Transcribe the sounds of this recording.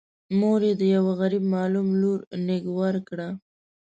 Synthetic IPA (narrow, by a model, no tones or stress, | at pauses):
moɾed̪əjawaɣaɾib̚mɑlumluɾnɪɡwɑɾkɽa